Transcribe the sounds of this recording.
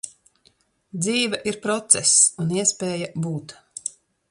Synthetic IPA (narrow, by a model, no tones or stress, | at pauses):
d̪ziːvɐʔiɾpɾɔt̪sɛsuniɛspeːjabuːt̪